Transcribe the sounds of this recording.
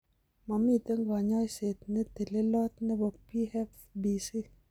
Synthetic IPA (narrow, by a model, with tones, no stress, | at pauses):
ma˨mi˦˨t̪e˦ŋɡɔ˨ɲɔ˦jse˨t̪̚nɛ˦t̪e˨le˦lɔ˦t̪̚nɛ˦bɔ˨pi˦hɛ˦f | bi˨si˦